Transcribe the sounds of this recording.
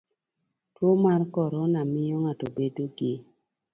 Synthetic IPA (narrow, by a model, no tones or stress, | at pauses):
twomarkɔɾɔnamɪjɔŋatobedoɡe